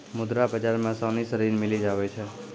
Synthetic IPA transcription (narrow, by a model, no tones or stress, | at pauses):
mʊd̪ɾabəd͡ʒaɾmãsɔnisəɾinmɪlid͡ʒaʋet͡ʃʰe